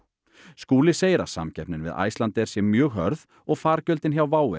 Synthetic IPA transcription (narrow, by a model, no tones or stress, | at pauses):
skuːlɪseːjɾa̰̥sa̰mcʰɛhpnɪnvɪ̰ða̰ːjst̪ant̪ɛɾ̥sjɛmjœːɣɦœ̰ɾð | ɔɣfaːɾcœlt̪ɪnçawvaːwɪ̰